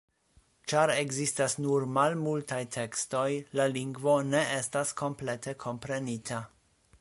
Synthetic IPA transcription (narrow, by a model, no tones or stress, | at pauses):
t͡ʃaɾeɡzistasnuɾmalmultajtʰe̞ksto̞jlaliŋɡvo̞ne̞ʔestaskʰo̞mple̞tʰe̞kʰo̞mpɾe̞nitʰa